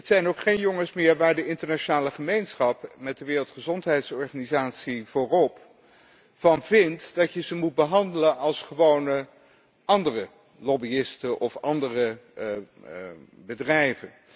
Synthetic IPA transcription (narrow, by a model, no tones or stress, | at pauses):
ətsɛjnowkχejnjɔŋəsmɪːɹʋaːɹdəɪntəɹnaːʃonaːləχəmejnsχɑpmɛt̚dəʋɪːrəlˠtχəzɔntɦɛjtsɔɹχanizaːtsiv̥ʊːrɔp | fɑnvɪntd̥ɑtjəzəmud̚bəɦɑndələnɑlˠsχəʋownə | ɑndərə | lɔbiɪstəʔɔfɑndərə | bədrɛjvən